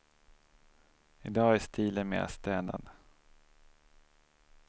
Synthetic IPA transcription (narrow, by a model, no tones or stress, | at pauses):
ɪd̪ɑːæst̪ʰiːlənmḛːɾa̰st̪ɛːna̰nd̪